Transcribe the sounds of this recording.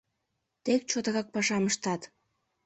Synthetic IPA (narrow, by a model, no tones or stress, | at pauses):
t̪ek̚t͡ɕot̪əɣɑk̚pɑʃɑməʃt̪ɑt̪